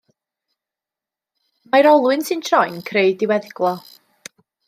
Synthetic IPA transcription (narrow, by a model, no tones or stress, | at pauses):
majɾɔlˠwɨnsɨntʰrɔjnkʰreɨdɪwɛðɡlˠɔ